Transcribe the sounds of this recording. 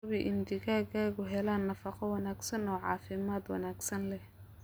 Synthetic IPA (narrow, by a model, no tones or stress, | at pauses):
βɪʔɪnd̪ɪɣaːɣaːɣʊɦɛlaːnːɐfɑqɔwɑnaːɡsɐnɔːʕɑ̰ːfɪmaːd̪wɑ̰naːɡsɐnlɛh